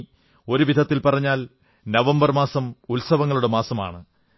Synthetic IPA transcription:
o̞ɾuʋid̪ʱɐt̪ːilpɐrɐɲːaːl | nɐʋɐmbɐrmaːsɐmulsɐʋɐŋːɐɭuɽemaːsɐma̰ːɳɨ

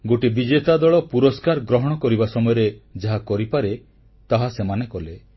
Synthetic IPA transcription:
ɡoʈibid͡ʒet̪ad̪ɔɭɔpuɾɔskaɾɡɾɔɦɔɽ̃ɔkɔɾibasɔmɔjɔɾed͡ʒaɦakɔɾipaɾe | t̪aɦasemanekɔle

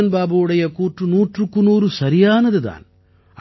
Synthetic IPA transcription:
ɐnbaːbɐɯɽɐjɐkuːʈrɯnuːʈrɯkːɯnuːɾɯsɐɾɪjaːnɐðɯða̰ːn | ɐ

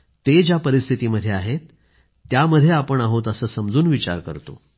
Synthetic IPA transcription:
t̪ed͡ʑjapəɾist̪ʰit̪iːməd̪ʱjeaɦet̪ː | jaməd̪ʱːjeapəɳaɦot̪əsəːsəmd͡zuːnʋit͡ɕa̰ɾkə̰ɾt̪o̰

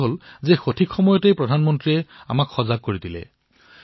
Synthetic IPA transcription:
ɦolzexotʰikxɔmɔjɔtejpɹɔdʱanmɔntɹiɛa̰makxɔzaɡ̚koɹidilɛ̰

